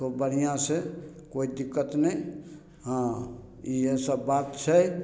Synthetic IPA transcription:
obəɽ̤ijãsekoid̪ikːət̪nə | ɦã | iesəbːat̪t͡ʃʰɛ

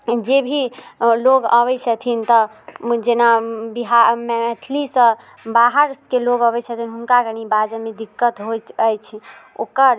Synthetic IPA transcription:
d͡ʒebʱiloɡə̰βɛjt͡ʃʰət̪ʰint̪ɔ | d͡ʒenabiɦamɛt̪ʰlisə̃ | baɦəɾskeloɡəbɛt͡ʃʰət̪ʰinɦunkaɡəñibad͡ʒəmed̪ikːət̪ɦojt̪əjt͡ʃʰɛo̰kəɾ

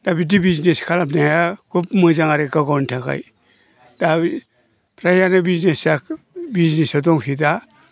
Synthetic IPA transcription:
d̥abit̬ibizneskʰalapnajakupmɯzaŋaɾekaɡɔwntʰaka̰j | d̥ai | pʰɾajanabiznesak | biznesɔtɔŋkʰita

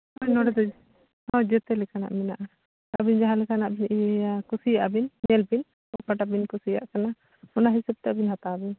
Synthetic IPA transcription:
ɔjnɔɽɛd̪ɔd͡ʒ | hɔ̃d͡ʒɛt̪ɛlɛkana̰ʔminaʔa | abind͡ʒaɦãlɛkanaʔbinijakusijaʔabinmɛlbin | ɔ̰ʔpaʈabinkusija̰ʔkana | ɔnaɦisɛb̚t̪ɛbinhat̪abin

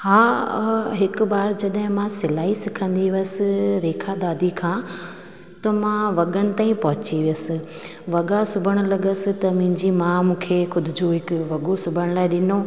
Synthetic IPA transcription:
haːɦɪkbaːɾd͡ʑɐɗɦɪ̃mãsɪlaːisɪkʰə̃nd̪iʋəsɪ̆ɾeːkʰad̪aːd̪ʱikʰãː | t̪ɐmãʋɐɠənɪ̆t̪aːĩpɐɦʊt͡ɕiʋɪjəsɪ̆ | ʋɐɠasʊbʱəɽ̃ʊ̆lɐɠəsɪ̆t̪ɐm̃ɪ̃ɲd͡ʑimãmũːkʰeːxʊd̪ʱɪd͡ʑoɦɪkʋɐɠosʊbʱəɽ̃laːɪɗɪno

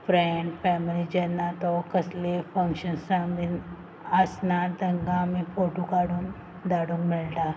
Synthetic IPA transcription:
fɾeɳɖfɛmilid͡ʑənːat̪ɔkəslefə̃ŋkɕənsãmbin | əsnat̪əŋɡãmifoʈukaɽuːn | d̪aɽũːnmilt̪a

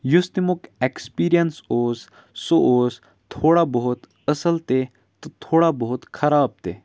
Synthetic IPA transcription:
just̪imukekspiːɾijənsoːzː | oʔoːz | t̪ʰoːɽabəɦut̪ | əsəlt̪e | t̪ɐt̪ʰoːɽabəɦut̪kʰɐɾaːb̚t̪e

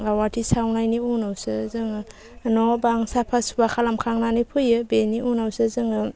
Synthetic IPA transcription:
awatʰisawnajniunawsɯzɯŋɯ | nɔbaŋsapʰasubakʰalamkʰaŋnanipʰɯjɯbeniʔunawsɯzɯŋɯ

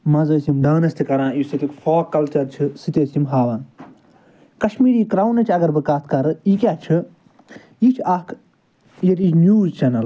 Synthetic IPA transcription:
mɐzəːsimɖaːnɐsʲt̪ʰikɐɾãːjisit̪ikfoːkːɐlt͡ʃɐɾt͡ʃʰisit̪ʲeːsimɦaːʋɐn | kɐʃmiːɾiːkɾaːwnɐt͡ʃʲʰɐɡɐɾbɨkat̪ʰkɐɾikʲaːt͡ʃʰɨ | jit͡ʃʰakʰ | jɐɾit͡ʃʰnjuːzt͡ʃɐnɐl

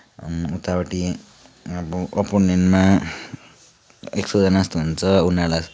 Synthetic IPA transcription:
ut̪awʈi | ʌbuʔʌponenma | eksod͡zʌnast̪uɦunt͡sʰʌunalas

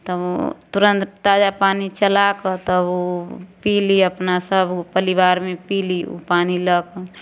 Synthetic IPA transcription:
t̪əb̰t̪uɾə̃nt̪t̪ad͡ʒapanit͡ʃəlakət̪əbopiliəpnasəbpəlibaːɾmepilio̰paniləkə

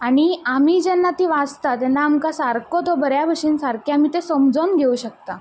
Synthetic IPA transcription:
aɽ̃iamiːd͡ʑɛnːat̪iːʋad͡zt̪at̪ɛnːaːmkasaɾkɔt̪ɔbəɾjabʱəʂiːnsaɾkʰeam̤iːt̪esəmd͡zonɡʱeuɕək̚t̪a

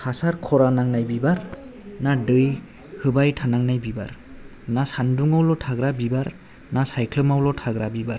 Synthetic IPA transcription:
hasaɾkʰɔɾanaŋnajbibaɾnadɯj | hɯbajtʰanaŋnajbiba̰ɾ | nasanduŋawlɔtʰaɡɾabibaɾ | nasajkʰlɯmawlɔtʰaɡɾabibaɾ

